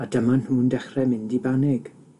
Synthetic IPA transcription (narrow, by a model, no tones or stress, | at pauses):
adəmanhuːndɛχrɛmɪndibanɪɡ̥